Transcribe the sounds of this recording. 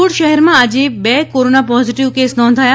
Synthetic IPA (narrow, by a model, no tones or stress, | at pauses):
uɽʃəɦɛɾmãad͡ʒebɛkoɾonapɔziʈiʋkesnɔ̃nd̪ʱaja